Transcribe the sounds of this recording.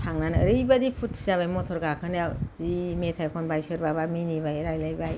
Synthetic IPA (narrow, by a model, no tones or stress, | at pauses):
tʰaŋnanɯ̰ɾɯjbadipʰutːʰizaβajmɔtʰɔɾɡakʰɯnjawzimetʰajkʰɔnbajsɯɾbabaminibajɾajlajbaj